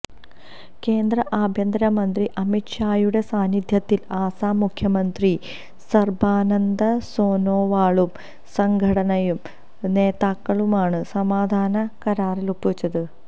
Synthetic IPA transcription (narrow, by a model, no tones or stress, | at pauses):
ke̞ːnd̪rɐʔaːbʱjɐnd̪ɐɾɐmɐnd̪riʔɐmiʈʂaːjuɽe̞saːnid̪ʱjɐt̪ːilaːsaːmukʰjɐmɐnd̪ri | sɐrbaːnɐnd̪ɐso̞ːnoːʋaːɭum | sɐŋɡʱɐɽɐnɐjum | ne̞ːðaːkːɐɭumaːɳɨsɐmaːd̪ʱaːnɐkɐɾaːrilupːuʋit͡ɕːɐðɨ